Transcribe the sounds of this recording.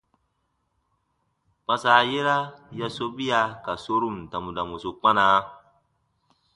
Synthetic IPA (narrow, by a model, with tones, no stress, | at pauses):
k͡pã˨saː˨je˦ɾa˦ja˦so˦bi˦ja˧ka˨so˦ɾu˦˨m˨ta˨mu˨da˨mu˨su˨k͡pa˦na˨˦